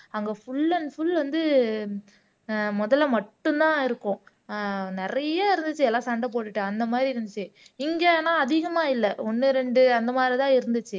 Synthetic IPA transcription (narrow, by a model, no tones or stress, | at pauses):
ɐŋɡɐfʊɭːɐnfʊɭʋɐnd̪ɯ | mɔðɐlːɐmɐʈːɯ̃nt̪ãːɪɾɯkːʊ̃ | nɪɾɐjaːɪɾɯnd̪ɯt͡ʃːɯɛlːãːsɐɳɖɐp̬oːʈːɯʈːɯɐnd̪ɐmaːd̪ɾiɾɯnd̪ɯt͡ʃːɯɪŋɡenaːɐðɪɣɐmaːɪlːɛɔnːɯɾɛɳɖɯɐnd̪ɐmaːd̪ɾit̪ãːɪɾɯnd̪ɯt͡ʃːɯ